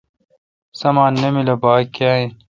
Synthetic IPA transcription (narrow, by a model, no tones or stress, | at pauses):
sɐmaːnːɐmilɐbaːkːaːĩ